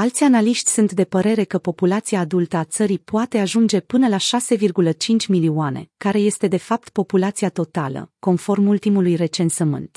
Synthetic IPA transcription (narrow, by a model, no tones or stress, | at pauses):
alt̪sʲanaliʃt̪ʲsunt̪d̪e̞pəɾe̞ɾe̞kəpo̞pulat̪siaːd̪ult̪əat̪səɾipoat̪e̞aʒund͡ʒe̞pɨnəlaʃase̞virɡulət͡ʃint͡ʃʲmilioane̞̰kaɾe̞je̞st̪e̞d̪e̞fap̚t̪po̞pulat̪siat̪o̞t̪alə̰ko̞nfo̞rmult̪imulujre̞t͡ʃe̞nsəmɨ̰nt̪